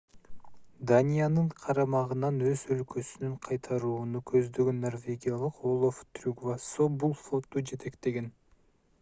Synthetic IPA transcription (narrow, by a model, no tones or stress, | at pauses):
d̪anʲijanɯɴqʰɑɾɑmɑʁɯnɑnøzølkøsynyɴqʰɑjt̪ʰɑɾuːnukʰøzd̪ø̞ɡønːo̞rvʲe̞ɡʲijalˠɯqolˠoft̪rʲuɡvasobulˠflˠo̞t̪ːud͡ʒe̞t̪e̞kt̪e̞ɡe̞n